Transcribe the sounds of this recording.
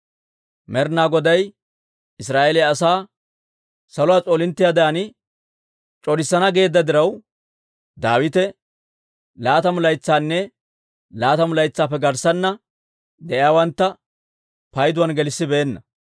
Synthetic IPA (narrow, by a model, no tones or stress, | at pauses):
mɛɾnaːɡɔd̪ɐj | ɪs̬ɾaːʔɛlɛɐsaː | sɐlʊwaːt͡sʼoːlɪnt̪ːɪjaːd̪ɐjɐnɪ | t͡ʃʼɔɾɪsːɐnɐɡe̞ːd̪ːɐd̪ɪɾɐw | d̪aːwɪt̪ɛ | laːt̪ɐmʊlɐjt͡sːaːnːɛ | laːt̪ɐmʊlɐjt͡sːaːpːɛɡɐɾsɐnːɐ | d̪ɛʔjaːwɐnt̪ːɐ | pɐjd̪ʊwɐnɡɛlɪsːɪbeːnːɐ